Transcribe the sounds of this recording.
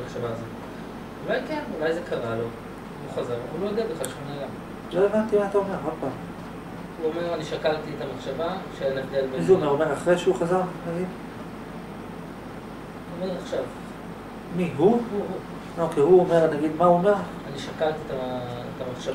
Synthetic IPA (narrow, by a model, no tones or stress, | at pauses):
meχʃavaːzot | ulajkenulajzekʰaʁalo̞ | uχazaʁulojod̪eabeχalʃmonaɡam | lo̞evant̪imaat̪aome̞ʁod̪̚paːm | uomeʁaniʃakalt̪iet̪ameχʃavaʃeelevd̪elbzuomeomeʁaχʁeʃeuχazaʁnaɡid | omeʁaχʃav | miɦuu | okejɦuomeʁnaɡid̪mauome̞ʁ | aniʃakalt̪iet̪aḛt̪ameχʃav